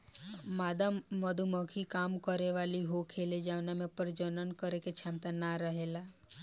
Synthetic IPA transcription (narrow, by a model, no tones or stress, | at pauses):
mad̪aməd̪ʱuməkʰikamkəɾeʋaliɦokʰeled͡ʒaʋnamẽpəɾd͡ʒənənkəɾeket͡ʃʰãmt̪anaɾəɦela